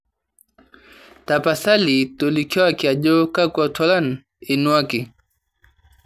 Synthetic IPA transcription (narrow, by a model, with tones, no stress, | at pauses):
tapasa˦li˨tɔlikʰɔ˦wa˦kia˨ʄɔ˦ka˦kwatʰɔ˦la˦n | inu˦a˦ki˨